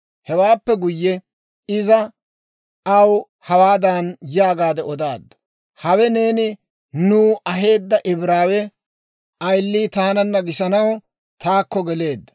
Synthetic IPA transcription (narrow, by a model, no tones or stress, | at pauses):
hɛwaːpːɛɡʊjːɛ | ɪzɐ | ɐw | hɐwaːd̪anjaːɡaːd̪ɛɔd̪aːd̪ːɔ̥ | hɐwɛne̞ːnɪ | nuːʔɐɦe̞ːd̪ːɐʔɪbɾaːwɛ | ʔɐjlːiːt̪aːnɐnːɐɡɪʃɐnɐw | t̪aːkːɔɡɛle̞ːd̪ːɐ̥